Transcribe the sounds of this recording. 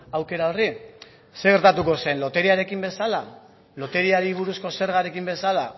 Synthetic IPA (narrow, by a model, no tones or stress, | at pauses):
awke̞ɾao̞ri | se̞ɣe̞ɾt̪at̪uko̞se̞nlo̞t̪e̞ɾiaɾe̞kimbe̞sala | lo̞t̪e̞ɾiaɾiβ̞uɾusko̞se̞ɾɣaɾe̞kimbe̞sala